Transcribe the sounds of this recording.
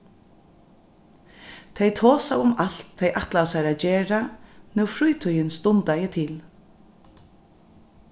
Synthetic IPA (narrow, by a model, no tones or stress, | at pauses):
t̪ʰɛjt̪ʰoːsawʊmal̥t̪ʰːejʔaht̪lawsɛɾaːd͡ʒeːɾanɛwfɾʊjt̪ʰɔjɪnst̪ʊnt̪ajɪt̪ʰɪl